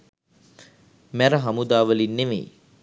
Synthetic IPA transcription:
mæɾəɦamud̪aːʋəlinːeʋḛː

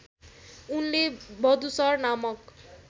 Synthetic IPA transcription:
unlebʌd̪usʌrnamʌk

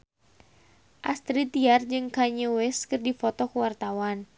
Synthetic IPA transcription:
ʔast̪ɾit̪iard͡ʒɨŋkaɲəwɛskɨrdifɔt̪ɔkəwart̪awan

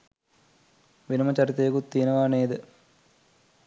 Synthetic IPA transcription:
ʋinɐmɐt͡ɕɐɾit̪ejɐkut̪ːinɐʋaːneːd̪ə

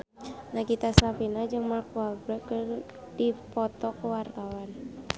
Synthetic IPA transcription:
nakit̪aslafinad͡ʒɨŋmak̚uabɾəkər | dipɔt̪ɔkəwarkawan

